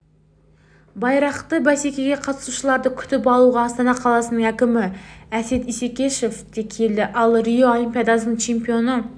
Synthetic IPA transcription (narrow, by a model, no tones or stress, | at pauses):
bɑjɾɑqt̪əbæsekʲeɡʲeqʰɑt̪ə̥suʃəlˠɑɾd̪əkʲʰʏ̥t̪ɪp̬ɑlˠuʁɑːst̪ɑnɑqʰɑlˠɑsənəŋækʲɪmɪæset̪isekʲeʃefd̪̥ekʲʰeld̪ɪʔɑlˠɾijoɑlˠimpʲijɑd̪ɑsənəŋt͡ʃʰe̞mpijo̞nə